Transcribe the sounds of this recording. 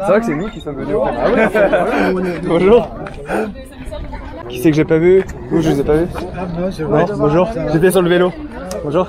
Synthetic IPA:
sevʁakəsɛnukʲisɔmvənyɛpa | bɔ̃ʒuːʁ | kʲi̥sɛkəʒɛpavy | uʒəlezɛpavy | nɔ̃bɔ̃ʒuːʁʒet̪̬ɛs̬ɔʁləvelob̥ɔ̃ʒuːʁ

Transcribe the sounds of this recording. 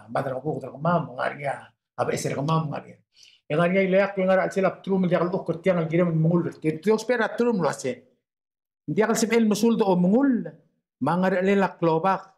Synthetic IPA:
maðəɾɣəɡuɡd̪əɾɡəmamːaŋa̰ɾŋaː | bʔeseɾɡəmamŋa̰ɾeɾ | eŋaɾɲiajlejakweŋaɾaʔlselap̚t̪ɾuməldjaɣlʔukːəɾt̪jaŋalɡiɾemənməŋulːəɾt̪itɾospeɾat̪ɾumloasen | nd̪jaɣəlsəmʔelməsuld̪oʔoməŋul | maŋəɾʔəlelakːlobaɡ

